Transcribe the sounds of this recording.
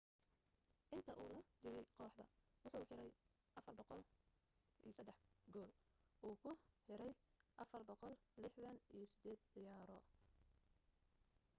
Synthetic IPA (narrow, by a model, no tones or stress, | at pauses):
ʔɪnt̪ʰɐʔuːlɐd̪ɪɾɛjqɔːħðɐ̰wʊħuːħɪɾɛj | ʔɐfɐrbɔqɔl | ʔḭjsɐd̪ːɛħɡɔːlʔuːkʰʊħɪɾɛjʔɐfɐrbɔqɔllɪħðɐnijɞsɪd̪ɛːd̪ʕɪjaːɾɔ